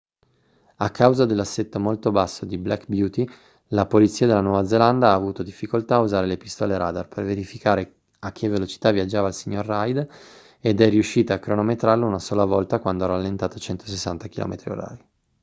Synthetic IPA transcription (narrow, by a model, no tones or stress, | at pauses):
akʰːawzad̪elːasːet̪ːomolt̪obasːod̪iblɛkbjuːt̪i | lapolit̪sːiːad̪elːanwɔːvad̪zeland̪aaːvuːt̪od̪ifːikolt̪aːuzaːɾelepist̪ɔːleɾaːd̪arperveɾifikaːɾe | akʰːevːelot͡ʃi̥t̪aviad͡ʒːaːvaːlsiɲːorːajd̪ | ed̪ɛriuʃːiːt̪aːkːɾonomet̪ɾarlounasoːlavɔlt̪akwand̪oɛɾalːent̪aːt̪ot͡ʃɛnt̪o̥sesːant̪ak̟ilɔ̰ːmet̪ɾio̰ɾa̰ːɾi